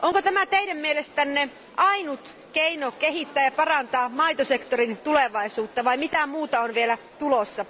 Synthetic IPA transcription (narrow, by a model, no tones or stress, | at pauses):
ʔoŋkot̪æmæt̪eidæmmielest̪ænːe | ʔɑinut̪ | keinokeɦit̪ːæːjɑpɑrɑnt̪ɑːmɑit̪osekt̪orint̪uleʋɑisuːt̪ːɑʋɑimit̪æmuːt̪ɑonʋielæ | t̪ulosːɑ